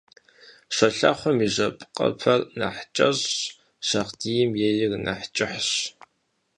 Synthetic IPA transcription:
ɕʷɐɬa̰χʷɔmiʑʷɐpʼqʼɐ̰pʰɐrnɐ̰ħt͡ʃʼɐʑ | ɕɐʁdiːjɪmjejɪrnɐ̰ħt͡ʃʼɪħɕ

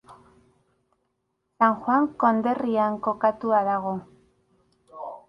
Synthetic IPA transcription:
saŋxwaŋko̞nd̪e̞riaŋko̞kat̪uaðaɣ̞o̞

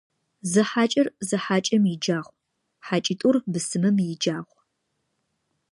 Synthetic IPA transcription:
zɨħaːt͡ʃʼɐrzɨħaːt͡ʃʼɐmjɪd͡ʒaːʁʷ | ħaːt͡ʃʼitʼʊrbɨsɨmɨmjɪd͡ʒaːʁʷ

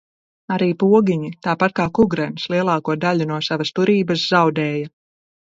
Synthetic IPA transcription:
aɾiːpuɔɡiɲit̪aːpat̪̚kaːkuɡɾɛnslˠiɛlˠaːkuɔd̪aʎunuɔsavast̪uɾiːbɐsz̥awd̪ɛːjɐ

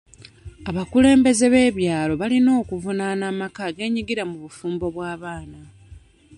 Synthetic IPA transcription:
aβakule̞ːmbe̞ze̞βe̞ːβjaːlo̞βalino̞ːkuvunanaːmakaɡe̞ːɲiɡiɾamuβufuːmbo̞βwaːβaːna

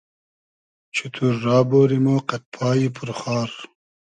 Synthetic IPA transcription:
t͡ɕʰut̪ʰuɾːaːboːɾimoːqɐt̪̚pʰaːipʰuɾχaːɾ

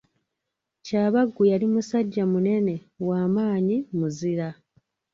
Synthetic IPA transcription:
caːβaɡːujalimusaɟːamune̞ne̞ | waːmaːɲimuziɾa

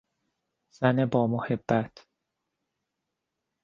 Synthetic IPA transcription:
z̥ænebɒːmohebːæt̪ʰ

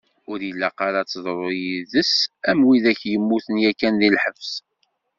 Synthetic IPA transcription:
ʊɾjəlːæqɑɾɑt͡sːðˤɾˤojiðəsæmwiðæçjəmːuθənjækːænðilħəvs

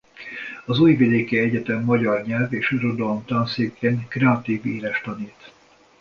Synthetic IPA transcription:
ɒzuːjvid̪eːkɛɛɟɛt̪ɛmːɒɟɒrɲɛlveːʃirod̪olomt̪ɒnseːkeːŋkrɛɒt̪iːviːɾɛʃt̪ɒniːt̪

